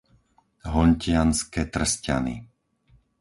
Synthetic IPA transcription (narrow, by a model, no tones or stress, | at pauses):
ɦɔɲcɪanskɛt̪r̩sca̰nḭ